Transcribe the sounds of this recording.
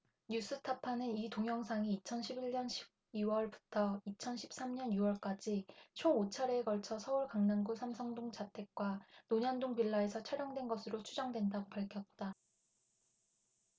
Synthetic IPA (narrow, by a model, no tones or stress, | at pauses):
ɲus͈ɯtʰapʰanɯnitoŋjʌŋsʰaŋiːt͡ɕʰʌnɕʰibiɭɲʌnɕʰib | iwʌɭbu̥tʰʌit͡ɕʰʌnɕʰi̥p̚s͈amɲʌnjuwʌɭk͈ad͡ʑit͡ɕʰoot͡ɕʰaɾeːɡʌɭt͡ɕʰʌsʰʌuɭkaŋnanɡusʰamsʰʌŋdoŋd͡ʑatʰe̞k̚k͈wanoɲʌndoŋbiɭːae̞sʰʌt͡ɕʰaɾjʌŋdwenɡʌsʰɯɾot͡ɕʰud͡ʑaŋdwe̞ndaɡopaɭkʰjʌp̚t͈a